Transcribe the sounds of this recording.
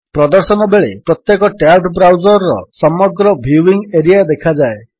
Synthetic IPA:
pɾɔd̪ɔɾsɔnɔbeɭepɾɔt̪jekɔʈaʈbɾawd͡ʒɔɾɔːɔsɔmɔɡɾɔbʱuiŋeɾijad̪ekʰad͡ʒae

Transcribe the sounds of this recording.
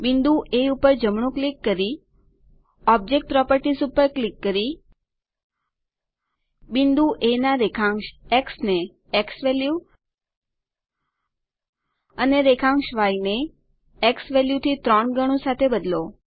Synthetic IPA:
bind̪uʔeupəɾd͡ʒəmɳ̃ũklikːəɾi | ɔb̚d͡ʒek̚ʈ̚pɾɔpəɾʈisupəɾklikːəɾi | bind̪uʔenaɾekʰãŋʃeksne | eksʋɛlju | əneɾekʰãŋɡʃʋaineː | ksʋɛljut̪ʰit̪ɾɔɳɡəɽ̃ũsat̪ʰebəd̪lo

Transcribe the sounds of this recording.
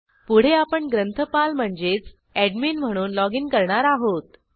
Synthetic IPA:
puɽ̤eapəɳɡɾənt̪ʰəpalm̤əɳd͡zet͡s | æɖminm̤əɽ̃uːnlɔɡinkəɾɳaɾaɦot̪

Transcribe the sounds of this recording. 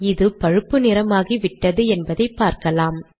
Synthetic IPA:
ɪðɯpɐɻɯpːɯnɪɾɐmaːɣiʋɪʈːɐðɯɛnbɐðɐɪpːaːɾkɐlaːm

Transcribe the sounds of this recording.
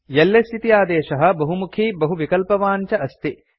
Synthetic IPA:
jɐlːest̪ʰit̪ijaːd̪eːʃɐɦɐ̆bɐɦumukʰiːbɐɦuʋikɐlpɐʋaːɲt͡ʃɐɐst̪i

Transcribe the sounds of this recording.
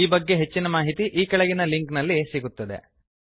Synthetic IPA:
iːbɐɡːe̞ɦe̞t͡ʃːinɐmaːɦit̪iʔiːkɐɭɐɡinɐliŋknɐlːisiɡut̪ːɐd̪e̞̰

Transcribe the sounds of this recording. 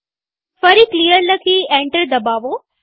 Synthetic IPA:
fɐɾiklijəɾləkʰiẽːɳʈəɾd̪ɐbaːʋo

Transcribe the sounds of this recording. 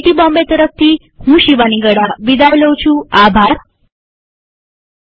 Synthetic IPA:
ʈiːbɔ̃mbet̪əɾəft̪ʰiː | ɦũɕiʋaniɡəɽaʋid̪aʋləwt͡ɕũːabʱaɾ

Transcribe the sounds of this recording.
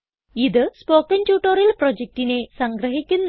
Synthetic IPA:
iðɨspo̞ːkːɐntjuːʈːorjiɐlprod͡ʑek̚tine̞sɐŋɡrɐɦikʲːunː

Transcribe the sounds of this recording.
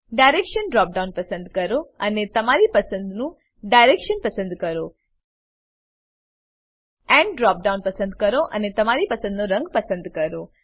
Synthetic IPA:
ɖajɾekʃənɖɾɔp̚ɖaũnpəsənd̪kəɾoənet̪əmaɾipəsə̃nd̪nũ | ɖajɾekʃənpəsə̃nd̪kəɾo | ɛ̃ɳɖɖɾɔp̚ɖaunpəsə̃nd̪kəɾoʔənet̪əmaɾipəsə̃nd̪noɾə̃ŋɡpəsə̃nd̪kəɾo

